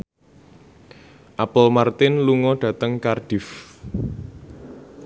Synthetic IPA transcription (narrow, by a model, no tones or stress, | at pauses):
ʔapəlmart̪ɪnluŋɔɖ̥ä̤t̪əŋkarɖ̥ɪ̤f